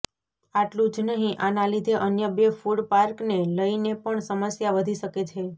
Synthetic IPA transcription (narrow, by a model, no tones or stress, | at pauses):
aʈlũd͡ʒnəɦĩʔanalid̪ʱeʔənjəbefuɽpaɾkneləinepəɳsəməsjaʋəd̪ʱiʃəket͡ʃʰe